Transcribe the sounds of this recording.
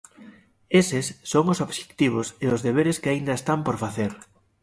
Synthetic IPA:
esesːoŋosoβʃe̥kt̪iβ̞oseozðeβ̞eɾeskɪaind̪ɐest̪ampoɾfaθeɾ

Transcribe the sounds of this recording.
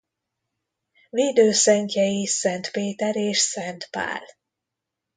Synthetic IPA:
veːd̪øːsɛŋkɛjisɛnt̪peːt̪ɛɾeːʃsɛnt̪pa̰ːl

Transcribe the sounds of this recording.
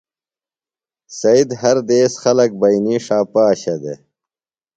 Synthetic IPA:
sɐid̪ɦɐɾd̪eːsxɐlɐk̚bɐjniːʂaːpaːɕɐd̪ḛ

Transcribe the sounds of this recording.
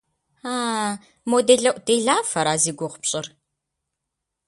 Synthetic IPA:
aː | modeɮɐʔʷʼd̥eːɮaːfɐɾaːziːɡʷʊʁʷpɕʼɪr

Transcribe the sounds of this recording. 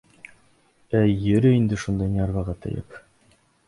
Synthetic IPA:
æjɘ̆ɾɘind̪ɘʃund̪ɑjniɑɾβɑʁɑt̪ɤ̰jɤ̰p

